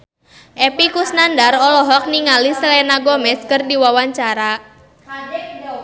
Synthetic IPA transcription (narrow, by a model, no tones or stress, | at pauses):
ʔɛpikusnandarɔlɔɦɔk̚niŋalislɛnaɡɔmɛskɨrdiwawaɲt͡ʃaɾa